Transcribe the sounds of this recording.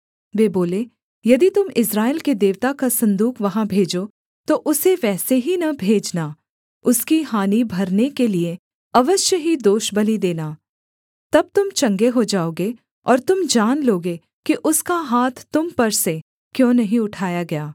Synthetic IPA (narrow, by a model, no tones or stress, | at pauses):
ʋeːboːle | jɐd̪it̪ʊmɪsɾaːelkid̪eːʋt̪akasɐ̃nd̪uːkʰʋɐɦãbʱeːd͡ʒo | t̪oʔʊseʋɛːseɦinɐbʱeːd͡ʒnaː | ʊskiɦaːnibʱɐɾnekelie | ɐʋəʃjəɦid̪oːʃbɐlid̪eːnaː | t̪ɐb̚t̪ʊmt͡ʃɐ̃ŋɡeɦod͡ʒaːoːɡe | ɔːɾt̪ʊmd͡ʒaːnloːɡe | kiʔʊskaɦaːt̪ʰt̪ːʊmpɐɾse | kjõːnɐɦĩʊʈʰaːjaɡɐjaː